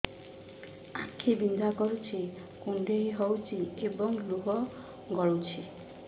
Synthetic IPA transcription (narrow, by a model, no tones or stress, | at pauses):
akʰːibind̪akɔɾut͡ʃʰi | kuɳɖeiɦɔwt͡ʃʰiebɔŋluɦɔ | ɡɔɭowt͡ʃʰi